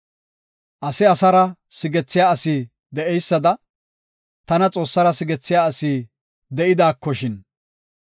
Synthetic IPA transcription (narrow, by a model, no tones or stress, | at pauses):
ʔɐsɪɐsɐɾɐsɪɡɛt͡sːɪjaːɐsiː | d̪ɛʔɛjsːɐd̪ɐ | t̪ɐnɐt͡sʼo̞ːsːɐɾɐsɪɡɛt͡sːɪjaːɐsiː | d̪ɛʔɪd̪aːkːɔʃɪn